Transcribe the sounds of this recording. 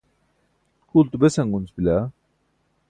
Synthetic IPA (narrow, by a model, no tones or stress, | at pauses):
kʰult̪ubesaŋɡunsbila